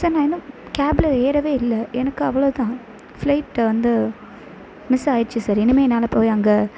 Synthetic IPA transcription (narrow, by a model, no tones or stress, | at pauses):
saːɾnãːɛnːʊ̃kaːblɐɾeːɾɐʋeːɪlːɐʔɛnɐkːɯɐʋːɐɭoːt̪ãː | flɐɪʈʋɐnd̪ɯ | mɪsaːjɪɾɯt͡ʃːɯsaːɾɛnɯmeːnaːlɐpoːjɐŋɡɐ